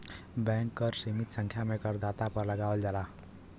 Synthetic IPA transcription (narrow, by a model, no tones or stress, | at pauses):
bjaŋkːʌrsemit̪sʌŋkʰjamekʌrd̪at̪apʌrlʌɡawld͡zala